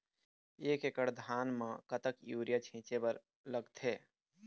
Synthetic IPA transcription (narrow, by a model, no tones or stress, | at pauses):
eːkekəɽd̪ʱaːnmãkət̪əkjuːɾijat͡ʃʰĩːt͡ʃebəɾ | ləɡt̪ʰeː